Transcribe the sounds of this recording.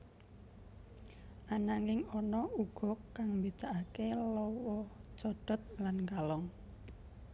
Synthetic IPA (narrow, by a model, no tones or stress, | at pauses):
ʔanaŋɪŋɔnɔuɡ̥ɔ̤kːaŋmbid̪̥a̤ʔakelɔwɔt͡ʃɔɖ̥ɔ̤t̪̚lanŋɡalɔŋ